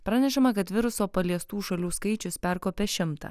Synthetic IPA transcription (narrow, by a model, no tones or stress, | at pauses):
pɾɑːnʲɛʃɐmɐkɐt̪ʋʲɪɾʊsoːpɐlʲiɛst̪uːʃɐlʲuːskɐɪt͡ʃʲʊspʲæɾkoːpʲɛʃʲɪmt̪ɑ̰